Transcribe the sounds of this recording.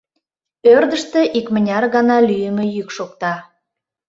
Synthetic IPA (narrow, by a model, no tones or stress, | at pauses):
ørd̪əʃt̪ĕʔikmənʲɑrɣɑnɑlyjəmejykʃokt̪ɑ